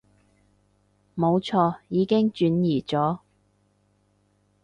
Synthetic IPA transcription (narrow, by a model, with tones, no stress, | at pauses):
mo˨˧wt͡sʰɔː˧jiː˨˧kɪ˥ŋt͡ʃyː˨˥njiː˨˩t͡sɔː˨˥